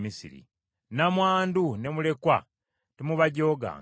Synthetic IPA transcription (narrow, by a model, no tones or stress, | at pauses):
misḭɾḭ | namwaːndune̞mule̞kwa | timuβaɟo̞ːɡa̰ːŋ